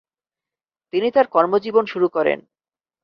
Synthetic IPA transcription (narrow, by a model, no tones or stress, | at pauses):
t̪init̪aɾkɔɾmod͡ʑibonʃuɾukɔɾḛn